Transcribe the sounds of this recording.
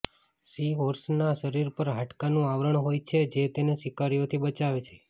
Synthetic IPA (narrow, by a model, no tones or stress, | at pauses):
siʋoɾsnaʃəɾiɾpəɾɦaʈkanũaʋɾəɳɦojt͡ʃʰed͡ʒet̪enesikaɾijot̪ʰibət͡ʃaʋet͡ʃʰe̥